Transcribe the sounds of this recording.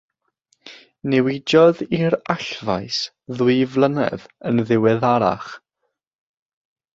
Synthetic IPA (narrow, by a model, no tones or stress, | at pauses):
nɛwɪd͡ʒɔðiɾaɬvajs | ðwɨvlˠənɛ̰ðənðɪwɛðaɾa̰χ